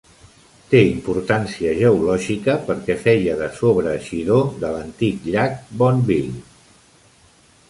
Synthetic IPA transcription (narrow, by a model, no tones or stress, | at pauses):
t̪eimpuɾt̪ansiəʒəulɔʒikəpəɾkɛfɛjəðəsoβɾəːʃiðoðələnt̪ikʎak̚bɔnbiʎ